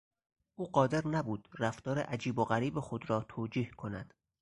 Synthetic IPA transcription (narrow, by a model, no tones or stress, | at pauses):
ʔuːɢɒːd̪e̞ɾnæbuːd̪̥ræft̪ɒːɾḛʔæd͡ʒiːboɣæɾiːbexo̞d̪ɾɒːt̪ʰoːd͡ʒiːhkʰo̞næd̪̥